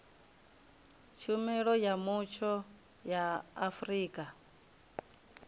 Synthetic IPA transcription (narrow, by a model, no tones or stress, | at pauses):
t͡ʃʰumɛɺɔjamut͡ʃʰɔ | jaːfɾiːkʼa